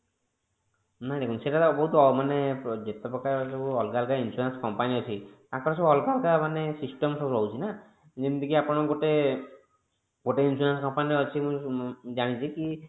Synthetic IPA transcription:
naɾekunseʈabɔɦut̪ɔmaned͡ʒet̪epɾɔkaɾsɔbuɔlkalkainsuɾanskɔmpaniɔt͡ʃʰit̪ãkɔɾɔsɔbɔlɡalkamanesisʈɔmsɔbulɔwt͡ʃʰina | d͡ʒind̪ikiapɔɽ̃ɔɡoʈe | ɡoʈeinsuɾanskɔmpaniɔt͡ʃʰimũd͡ʒaɽ̃it͡ʃʰiki

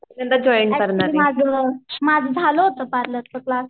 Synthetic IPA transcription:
nənt̪əd͡ʑɔinkəɾnaɾmad͡zʱəmad͡zʱd͡zʱaloɦot̪əpaɾləːt͡səklas

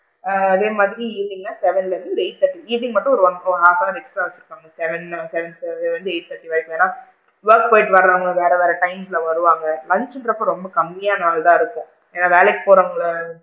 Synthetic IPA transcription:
ɐðeːmaːðɪɾiiːlːɪŋɡɐnaːsɛʋɛnlɐɾɯnd̪ɯeɪʈ̚t̪ɐʈːiiːʈːɪŋɡmɐʈːʊ̃ɔɾɯʋɔnkːoɦaːsãːɛksʈɾaːʋɐt͡ʃːɪɾɯkːaːŋɡɐsɛʋɛnsɛʋɛnsɛʋʋɐnd̪ɯeɪʈ̚t̪ɐʈːiʋeːɭɛkːʋeːnaː | ʋɐɾk̚poːɪʈʋɐɾɐlaːŋɡɐʋeːɾɐʋeːɾɐʈɐɪmslɐʋɐɾɯʋaːŋɡɐlɐɲsɛnɖɾɐpːɐ̃ɾɔmbɐkɐmːɪjaːnaːɭt̪ãːɪɾɯkːʊ̃ | eːnːaːʋeːɭɛkːpoːɾaːŋɡɐɭɐ

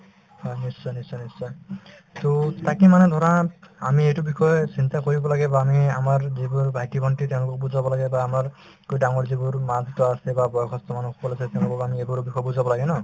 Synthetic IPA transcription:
hɔjnisːɔnisɔnisɔ | t̪otakimanɛd̪ʱɔɾaamiejtubixʰɔjɔsintakoɹibɔlaɡɛbaːmiamaɹzibuɹbʱajtibʱɔntitɛʊ̃lʊkɔk̚buzabɔlaɡɛbaːmaɹ | kojdaŋɔɹzibuɹmad̪ʱitɔasɛbabɔjɔkʰɔst̪ɔmanukʰbɔlasɛt̪ɛʊ̃lʊkɔkamiejbɔɹbʱixɔɔbuzabɔlaɡɛnɔ

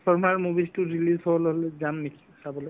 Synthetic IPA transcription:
pʰɔɹmaɹmubiztʊɹilizɦɔbɔleɦɔlezamnikʰi̥sabɔlɔj

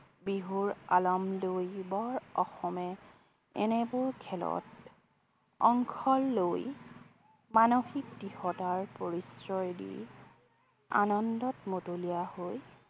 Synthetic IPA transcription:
biɦuɹalɔmlojbɔɹɔxɔmɛ | ɛ̰nɛbʊɹkʰɛlɔ̰t̚ | ɔŋkʰɔlːoj | manoxik̚tihɔtaɹpoɹisɹɔjdḭj | a̰nɔndɔtmotolijahoj

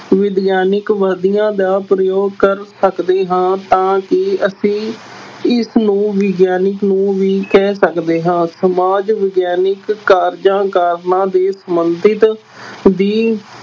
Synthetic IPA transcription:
ʋɪd̪jaːnɪkʋəd̪ijãːd̪aːpɾəjoːɡkəɾsəkd̪eːɦãːt̪ãːkɪəsĩː | ɪsnũːʋɪɡjaːnɪknũːʋiːkɛːsəkd̪eːɦãːsəmaːd͡ʒʋɪɡjaːnɪkːaːɾd͡ʒãːkaːɾnãːd̪eːsəmənt̪ɪt̪ | d̪iː

